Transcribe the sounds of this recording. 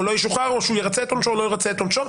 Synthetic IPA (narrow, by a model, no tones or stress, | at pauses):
ulojiʃuχaʁoʃujeʁat͡sɛt̪omt͡ʃolojeʁat͡set̪omt͡ʃo